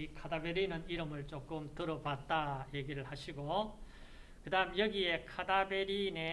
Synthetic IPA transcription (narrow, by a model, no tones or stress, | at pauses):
ikʰadabe̞ɾinɯniɾɯmɯɭt͡ɕ͈ok͈ɯmtɯɾʌbat̚t͈aje̞ɡiɾɯɭhaɕʰiɡo | kɯdaɦɯmjʌɡie̞kʰadabe̞ɾine̞